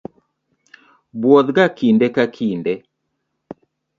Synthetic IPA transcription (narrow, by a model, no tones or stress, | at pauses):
bwɔðɡakindɛkakʰindɛ